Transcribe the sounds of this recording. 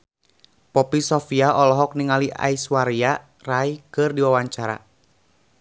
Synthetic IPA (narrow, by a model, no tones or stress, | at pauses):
pɔpisɔfiaɔlɔɦɔk̚niŋaliʔa̰iswaɾia | raikɨrdiwawaɲt͡ʃaɾa̰